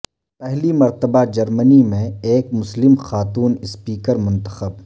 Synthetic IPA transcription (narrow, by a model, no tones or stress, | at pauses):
pɛɦlimɐɾt̪əbad͡ʒɐɾmənimẽeːkmʊslɪmxaːt̪uːnɪspiːkəɾmʊ̃nt̪əxəb